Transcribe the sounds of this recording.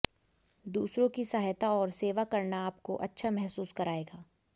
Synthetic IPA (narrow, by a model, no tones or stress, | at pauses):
d̪uːsɾõkisaɦjt̪aɔːɾseːʋakɐɾnaːpkoʔɐtːʃʰamɛɦsuːskɐɾaːeːɡaː